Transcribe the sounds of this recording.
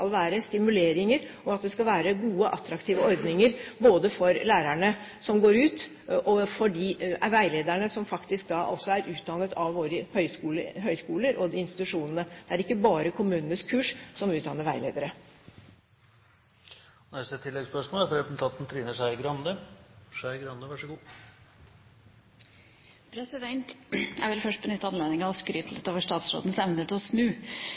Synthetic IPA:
ɑlʋæːɾəst̪ɪmʉleːɾɪŋəɾɔɑt̪̚d̪ɛskɑlʋæːɾəɡuːəʔɑt̪ːɾɑkt̪ʰiːʋəɔɾd̪nɪŋəɾboːd̪əfɔɾlæːɾæɳə | sɔmɡoːɾʉːt̪ | ʔɔfɔɖiʋæɪleːd̪æɳəsɔmfɑkt̪ɪsk̚d̪ɑʔɔsːɔæɾʉːt̪̚d̪ɑːnət̪ʰɑʋʋoːɾəhœʏskuːləɦœʏskuːləɾʔɔd̪ɪɪnst̪ɪ̥t̪ʉʂuːnənəd̪̥ɛæɾɪkːəbɑːɾəkʰʊmʉːnənəskʰʉːʂsɔmʉːd̪ɑnːəɾʋæɪleːd̪əɾə | nɛst̪ət̪ʰːɪlːɛɡspœʂmoːlæfɔɾɛp̪̩t̪ʰɑnt̪n̩t̪ʰɾiːnəʂæɪɡɾɑnd̪əʂæɪɡɾɑnd̪əʋɑʂəɡuː | pʰɾɛsɪd̪ɛnt̪æ̰ɾʋɪlfœʂʈ̚bənʏt̪ːɑnleːd̪ɪŋɑskɾyt̪l̩ət̪oːʋəʂʈɑːt̪sɾo̰d̪n̩sɛʋnət̪ɔsnʉː

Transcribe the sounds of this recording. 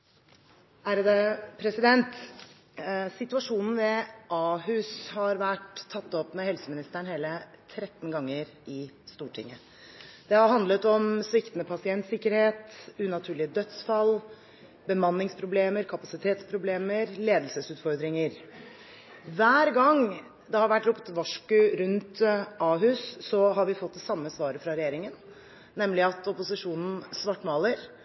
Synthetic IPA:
æɾəd̪əpʰɾɛsɪd̪ɛnt̪ | sɪt̪ʉɑʂuːnn̩ʋɛʔɑːhʉshɑɾʋæʈ̪ʰːɑt̪ːɔpmɛhɛlsəmɪnɪst̪æɳheːlət̪ʰɾɛt̪ːnɡɑŋːəɾɪst̪uːʈʰɪ̰ŋːə | d̪̥ɛhɑɾɦɑnd̪lət̪ɔmsʋɪkt̪nəpʰɑsɪɛnt̪sɪkːəɾheːt̪ʉnɑt̪ʰʉːɭɪəd̪œt̪sfɑlː | bəmɑnːɪŋspʰɾʊbleːməɾkʰɑpɑsɪt̪ʰeːt̪spʰɾʊbleːməɾleːd̪əlsəsʉːt̪fɔɾd̪ɾɪŋəɾ | ʋæːɾɡɑŋ | d̪ɛhɑɾʋæʈːɾʊpt̪ʋɑʂkʉɾʉnt̪ʔɑːɦʉːsːɔɦɑɾʋɪfɔt̪̚ːd̪ɛsɑmːəsʋɑːɾəfɾɑɾɛjeːɾɪŋən | nɛmlɪɑt̪ɔpʊsɪʂuːnn̩sʋɑʈːmɑːləɾ

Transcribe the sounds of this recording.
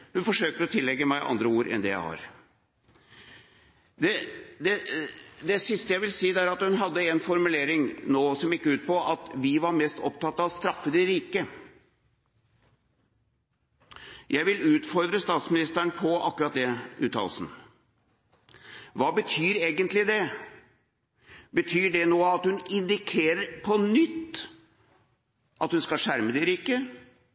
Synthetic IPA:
hʉnfɔʂøːk̚t̪əɾɔt̪ʰɪlːɛɡːəmæɪʔɑ̰nd̪ɾəuːɾʔɛ̰nd̪ɛ̰jæ̰ɪhɑ̰ɾ | d̪ɛd̪ɛd̪ɛsɪst̪əjæɪʋɪlsiːd̪æɾɑt̪hʉnɦɑd̪ːəɛnfɔɾmʉleːɾɪŋnoːsɔmɪkːəʉːt̪̚pɔʔɑt̪ʋɪʋɑɾmɛst̪ɔ̰p̚t̪ɑt̪ːɑʋst̪ɾɑfːət̪ɪɾiːkə | jʔæɪʋɪlʉːt̪fɔɾd̪ɾəst̪ɑːt̪smɪnɪst̪əɳpʰɔʔɑ̰kːʉɾɑt̪̚d̪ɛʉ̰ːt̪ʰːɑ̰ːlsn̩ | ʋɑːbət̪ʰyːɾeːɡənt̪lɪd̪ɛ | bət̪ʰyːɖɛnoːɑt̪hʉnɪnd̪ɪkʰeːɾəɾpʰɔnʏt̪ː | ʔɑt̪hʉnskɑlʂæɾməd̪ɪɾiːkə

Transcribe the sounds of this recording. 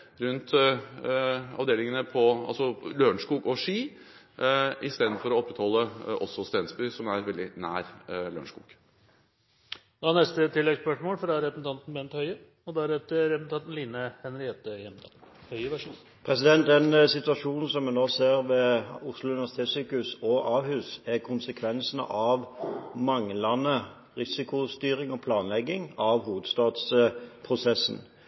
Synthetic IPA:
ɾʉnt̪ | ɑ̰ʋd̪eːlɪŋənəpʰɔɑ̰lsɔløːɳʂkuːɡɔʂiː | ʔɪst̪eːd̪n̩fɔɾɔɔpːɾɛt̪hɔlːəʔɔsːɔst̪ɛnsbʏsɔmæɾʋɛld̪ɪnæ̰ːɾlø̰ːɳʂkṵːɡ̥ | d̪ɑnɛst̪ət̪ʰɪlːɛɡspœʂmoːlfɾɑɾɛpɾsn̩t̪ɑnt̪n̩bɛːnt̪hœʏə | ɔd̪ɑɾɛt̪əɾɛpsn̩t̪ʰɑnt̪n̩liːnəhɛnɾɪeːt̪əjɛmd̪ɑ̰hœəʋæ | pʰʁɛsɪd̪ɛnt̪̚d̪ɛnsɪt̪ʉɑʂuːnn̩sɔmːɛnd̪oːseːɾʋɛʊslʊʉnɪʋæsɪt̪ʰeːt̪syːkʉsɔʔɑːʋhʉːsækʰʊnsəkʰʋɛnsnə̰ʔɑʋmɑŋlɑnə | ʁɪsɪkʊst̪yːɾɪŋɔpʰlɑːnlɛɡɪŋɑʋɦuːʋəd̪st̪ɑːd̪spʰʁʊsɛsn

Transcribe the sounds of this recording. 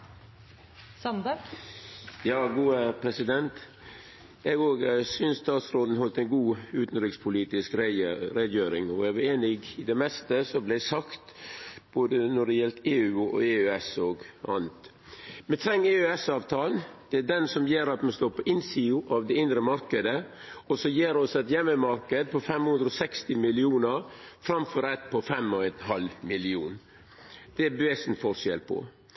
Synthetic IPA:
sɑnd̪ə | jɑːɡuːəpʰɾɛsɪd̪ɛnt̪ | ɛɡoːɡsʏnsst̪ɑːt̪sɾoːd̪n̩ɦɔlt̪ɛnɡuːʉːt̪n̩ɾɪkspʰʊliːt̪ɪskɾɾɛd̪jøːɾɪŋɔɛʋɑeːnɪɡɪd̪ɛmɛst̪əsɔblɛsɑkt̪b̥oːd̪ənɔɖɛjɛlt̪eːʉːɔ̰eːʉɛsɔːɡʔɑ̰nət̪ | mɛt̪ʰɾɛŋːeːøɛsɑːʋt̪ʰɑːlnd̪̥ɛæɖɛnsɔmjeːɾɑt̪mɛst̪oːɾpʰɔʔɪnsiːʊʔɑʋd̪ɛɪnd̪ɾəmɑɾkəd̪ə | ɔsɔjeːɾɔsɛt̪jɛmːəmɑɾkəd̪̚pʰɔfɛmhʉnd̪ɾɔsɛkst̪ɪmɪlɪuːnəɾfɾɑmfɔɾɛt̪̚pʰɔfɛmɔɛnɦɑlmɪlɪṵːn | d̪̥ɛbʋeːsn̩fɔɾʂɛ̰lpʰɔ̰

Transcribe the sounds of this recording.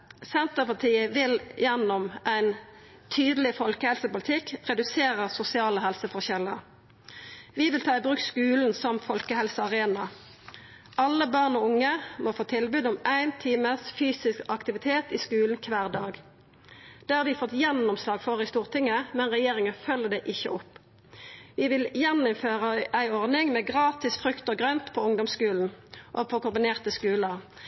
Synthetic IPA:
sɛnt̪əʁpɑʁt̪ʰiːəʋɪljɛnɔmʔæɪn | t̪ʰyːd̪əlɪfɔlkəhɛlsəpʊlɪt̪ʰɪkʁɛd̪ʉseːʁəʁsʊsɪɑːləɦɛlsəfɔʁçɛləʁ | ʋɪʋɪlt̪ʰɑːɪbʁʉːkskʉːln̩sɔmfɔlkəhɛlsəɑʁeːnɑ | ʔɑlːəbɑʁnɔːʊŋəmofoːt̪ʰɪlbʉːd̪ɔmæɪnt̪ʰiːməsfyːsɪskɑkt̪ɪʋɪt̪ʰeːt̪iːskʉːln̩kʰʋæːʁd̪ɑːɡ | d̪̥eːhɑːʋɪfɔt̪jɛnʊmslɑːɡfɔʁɪst̪uːʁt̪ʰɪŋːəmɛnʁɛjeːʁɪŋəfœlːəd̪ɛʔɪçə̰ʔɔpː | ʋɪʋɪljɛnːʊmføːʁəʔæɪɔʁnɪŋmeːɡʁɑːt̪ɪsfʁʉkt̪əɡʁœnt̪pʰɔʊŋd̪ɔmskʉːln̩ʔopʰoːkʊmbɪneːʁt̪əskʉːləʁ

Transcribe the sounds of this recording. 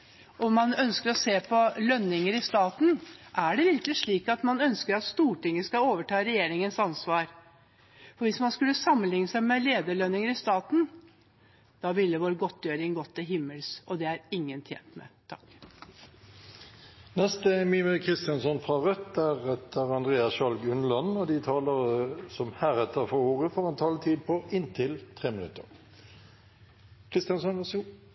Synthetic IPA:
ʔɔmɑnœnskəɾɔseːpʰɔlœnːɪŋəɾɪst̪ɑːt̪n̩ʔæɖɛʋɪɾkəlɪʂɭiːkɑt̪mɑnœnskəɾɑt̪st̪uːʈɪŋːəskɑoːʋəʈʰɑːɾɛjeːɾɪŋənsɑnsʋɑːɾ | fɔɾʋɪsmɑnskʉlːəsɑmːənlɪŋːəsæɪmɛleːd̪əɭœnːɪŋəɾɪst̪ɑːt̪n̩ | d̪̥ɑːʋɪlːəʋoːɾɡɔt̪ːjøːɾɪŋɡɔt̪ːɪlɦɪmːəlsɔd̪ɛæɾɪŋːənt̪ʰjḛːnt̪mɛ̰t̪ʰɑk | nɛst̪əmyːmʉkʰʁɪst̪ɪjɑnsɔnfʁɑʁœt̪ːæʁɛt̪ʰːəʁɑnd̪ʁeːɑsʃɑlɡʉnəlɔnɔd̪ɪt̪ʰɑːləʁsɔmhæːʁɛt̪ːəʁfɔoːʁəfɔʁɛnt̪ʰɑlt̪ʰiːd̪̚pʰɔɪnt̪ʰɪlt̪ʰʁeːmɪnʉ̰t̪ə̰ʁ | kʰʁɪst̪ɪjɑnsɔn

